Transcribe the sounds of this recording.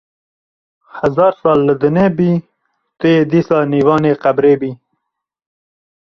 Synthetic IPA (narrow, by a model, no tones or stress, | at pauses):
hazɑːɾsɑːlːəd̪ənebi | t̪əjed̪iːsɑːniːwɑːneːqabɾeːbiː